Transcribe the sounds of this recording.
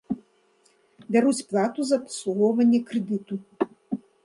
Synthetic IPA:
bʲaɾut͡sʲplˠat̪uzɐpsˠuɣɔwvɐnʲːɛkɾɨd̪ɨt̪u

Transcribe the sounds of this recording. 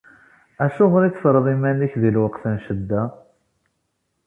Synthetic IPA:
æʃʊʁɾit͡sːfɾˤðˤimænəçðilwəqθənʃəd̪ːæ

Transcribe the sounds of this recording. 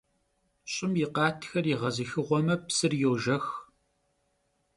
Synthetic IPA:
ɕʼɪmjɪqɑːtʰxɐriʁɐzɨxɨʁʷɔmɐpsɨrjowʒɐx

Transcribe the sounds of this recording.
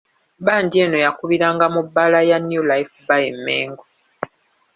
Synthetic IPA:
βaːndie̞no̞jakuβiɾaːŋɡamubːalajanjulaifbajemːḛːŋɡo

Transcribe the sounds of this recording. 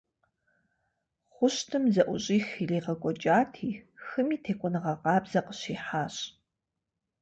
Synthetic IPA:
χʷʊɕtʰɨmzɐʔʷʊɕʼiːxileːʁɐkʷʼɔt͡ʃʼaːtʰiːxɨmiːtʰeːkʷʼɔnɨʁɐqɑːbzɐqəɕiːħaːɕʼ

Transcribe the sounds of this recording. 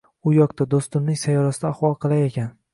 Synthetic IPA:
ʊjɒqt̪ad̪ost̪ʊmnɪŋsajɒɾasɪd̪aːχwɒlˠqʰɨlˠajekʲan

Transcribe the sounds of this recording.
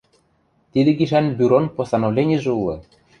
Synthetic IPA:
t̪id̪ɘ̆ɡʲiʃænbʲyɾonposɑnovlʲenʲiʒɘulˠɤ̰̆

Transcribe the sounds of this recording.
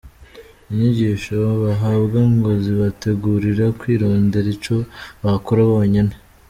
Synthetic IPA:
βeɲeɟiːʃoβaɦabɡaŋɡo̞ziβate̞ɡuːɾiɾakwiːɾoːnde̞ɾit͡ʃo̞βakoɾaβoːɲine

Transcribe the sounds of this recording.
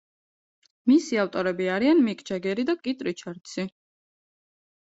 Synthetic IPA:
misiaft̪ʼɔɾɛbiaɾianmikʼd͡ʒaɡɛɾid̪akʼit̪ʼɾit͡ʃʰaɾt̪sʰi

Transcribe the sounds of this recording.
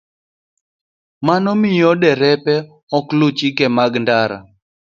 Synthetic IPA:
manɔmɪjɔdɛɾɛpɛ | ɔklut͡ʃikɛmaɡndaɾa̰

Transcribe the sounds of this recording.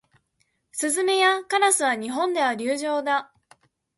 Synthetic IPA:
sɨzɨme̞jakanasɨβaɲ̟iɦõ̞nd̪e̞β̞aɾʲɨːʑo̞ːd̪a

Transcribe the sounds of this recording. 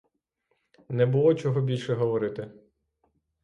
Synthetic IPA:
nɛbʊlˠɔt͡ʃɔɦɔbʲilʲʃɛɦɔʋɔɾɪt̪ɪ

